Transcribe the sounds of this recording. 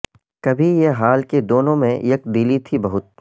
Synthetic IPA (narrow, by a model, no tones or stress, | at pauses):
kɐbʱijeɦaːlked̪oːnõmḛ̃jɐk̚d̪ɪlit̪ʰibɐɦʊt̪̚